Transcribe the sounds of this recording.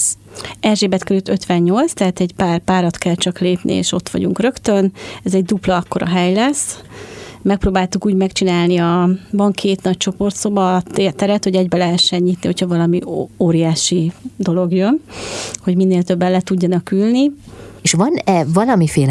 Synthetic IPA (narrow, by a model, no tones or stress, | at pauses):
ɛrʒeːbɛt̪kɛɾylt̪øt̪ʋɛɲːo̞lt̪st̪ɛɦaːt̪ɛɟpaːrpaːɾɒt̪kɛlt͡ʃɒkleːpnʔḭḛːʃo̞t̪ʋɒ̰ɟṵŋkrø̞kt̪ønɛzɛɟd̪uplɒɒkːo̞ɾɒ̰ɦɛjlɛs | mɛk̚proːbaːlt̪ukuːɟmɛkt͡ʃinaːlniɒvɒŋkʰeːt̪nɒc̚t͡ʃo̞po̞rt̪sobɒt̪ːt̪ɛɾɛt̪ho̞ɟɛɟbɛlɛɦɛʃːɛɲːit̪niho̞chɒvɒlɒmioːɾijaːʃid̪o̞lo̞ɡjønho̞ɟminːeːlt̪ø̞bːɛnlɛt̪uɟːɒnɒkylnieʃʋɒnɛvɒlɒmifeːl